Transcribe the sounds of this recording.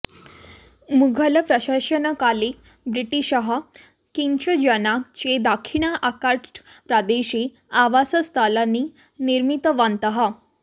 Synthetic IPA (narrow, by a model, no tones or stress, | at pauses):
muɡʱələpɾəɕaɕənəkali | bɾiʈiɕəɦa | kint͡ɕəd͡ʑənakt͡ɕed̪akʰiɳ̃aʔakaɾpɾad̪eɕe | aʋasəst̪ʰalanːi | niɾmit̪əʋant̪əɦa